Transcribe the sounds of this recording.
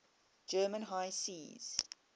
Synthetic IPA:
d͡ʒɜːmə̃nɦaɪsiːz̥

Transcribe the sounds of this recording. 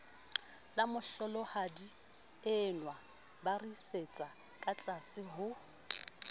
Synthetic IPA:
lamʊɬɔlɔhadi | ɪnwa | bariset͡sʼakʼat͡ɬʼasɪɦʊ

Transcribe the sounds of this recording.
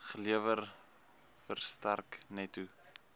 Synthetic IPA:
χəliəvər | fərstærknɛtu

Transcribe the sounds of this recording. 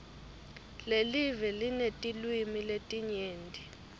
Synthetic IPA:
lelivɛlinetʼilwimiletʼiɲeːndʱʼi

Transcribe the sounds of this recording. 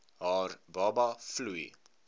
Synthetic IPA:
ɦɑːrbɑːbɐflui

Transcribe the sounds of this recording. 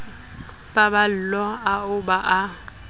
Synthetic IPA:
babal̩lɔaʊbaʔa

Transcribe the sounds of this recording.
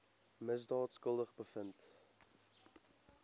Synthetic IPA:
məzdɑːtskəlˠdəχbəfənt

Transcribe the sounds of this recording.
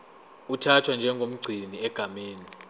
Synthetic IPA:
utʰatʰwand͡ʒʱɛŋɡʱom̩ɡ͡ǀʱiniɛɡ̥ʱameːni

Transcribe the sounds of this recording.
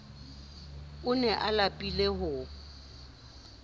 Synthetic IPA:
ʊnɛʔalapʼileɦʊ

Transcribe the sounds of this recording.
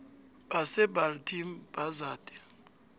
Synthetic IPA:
ɓasɛbʱaltʰimb̥azaːdʼɛ̥

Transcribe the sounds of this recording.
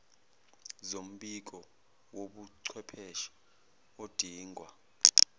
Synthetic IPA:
zom̩ɓik̬ɔ | woɓuǀʰwɛpʰɛʃḁ | od̥ʱiːŋʱwa

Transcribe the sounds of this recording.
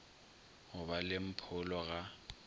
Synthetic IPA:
hʊbalɪm̩pʰʊlɔɣa

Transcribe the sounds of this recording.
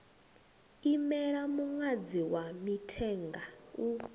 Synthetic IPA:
imɛɺamuŋwad͡ziwamitʰɛŋɡau

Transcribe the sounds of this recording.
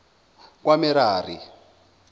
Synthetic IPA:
k̬wamiɾaːri

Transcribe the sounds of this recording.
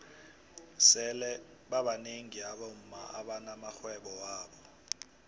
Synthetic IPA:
sɛlɛɓaɓaneŋiaɓom̩ma̰ʔa̰ɓanamaxwɛɓɔwaːɓɔ

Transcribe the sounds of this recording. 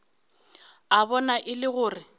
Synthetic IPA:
aβɔnaʔɪlɪɣʊːrɪ

